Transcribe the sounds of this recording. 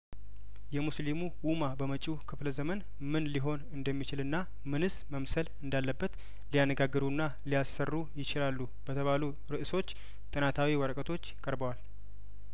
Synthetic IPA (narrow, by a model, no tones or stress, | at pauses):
jɛmuslimuwumabəmət͡ʃʼikʰɨfləzəmən | mɨnliɦo̞nɨnd̪əmːit͡ʃɪlɨnːa | mɨnɨsməmsəlɨnd̪alːəbːət̪ | lijanːəɡaɡːɨɾunːa | lijasːərːujɪt͡ʃɪlalːu | b̥ət̪ʰəβalu | ɾɨʔɨso̞t͡ʃː | t̪ʼɨnat̪ʰawiwəɾəkʼət̪ʰo̞t͡ʃːjɪkʼəɾbəwal